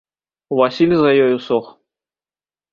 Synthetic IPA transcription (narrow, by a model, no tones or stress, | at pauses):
vasʲilʲzɐjɔjusɔx